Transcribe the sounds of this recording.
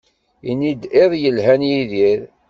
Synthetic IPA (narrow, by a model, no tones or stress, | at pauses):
inid̪eðˤjəlɦænjiðiɾ